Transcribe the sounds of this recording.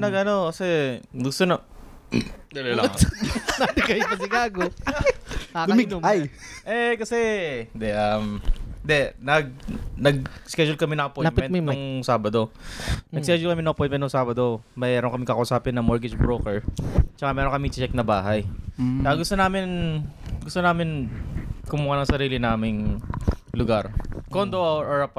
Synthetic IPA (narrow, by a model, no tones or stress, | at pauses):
nɐɡʔɐno̞kɐsɛɡʊst̪onɐ | d̪ɐlolɐŋnad̪ɪkɐjɪɐsɪɡaːɡo | ad̪ʊmɪmajʔɛkɐsɛɪnd̪ɛʔɐmɪnd̪ɛnɐɡ̚nɐɡ̚skɛd͡ʒʊlkɐmɪnɐŋʔɐpojlat̪mɪmɛ̃t̪mojmnŋsaːbɐd̪o̞ɐɡskɛd͡ʒʊlkɐmɪnɐʔɐpojt̪mɛt̪noŋsaːbɐd̪o̞mɛɛːɾoŋkɐmɪŋkɐkɐʔʊsaːpɪnːɐmoɹɡɪd͡ʒbɾoːkɛɹt͡ʃɐkamɛːɾoŋkɐmɪŋt͡ʃɛk̚nɐbaːɦɐjt͡ʃɐaɡʊst̪onaːmɪnɡʊst̪onaːmɪn | kʊmʊhanɐŋsɐɾiːlɪnaːmɪŋ | lʊɡaɾkond̪oʔaoɹɐp